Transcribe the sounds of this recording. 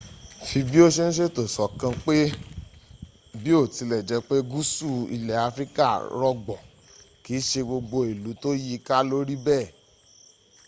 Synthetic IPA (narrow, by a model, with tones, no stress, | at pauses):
fi˧bi˦o˦ʃe˦ñ̩˦ʃ̬e˦to˨sɔ˨kã˧k͡pe˦ | bi˦o˦˨ti˨˧lɛ˨d͡ʒɛ˨˦k͡pe˦ɡu˦su˦˨ḭ˧lɛ˨a˧fɾi˦ka˦˨ɾɔ˧ɡ͡bɔ˨ | kiː˨˦ʃe˧ɡ͡bo˧ɡ͡bo˧e˨lu˨˦to˦ji˦ka˦lo˦ɾi˦bɛː˦˨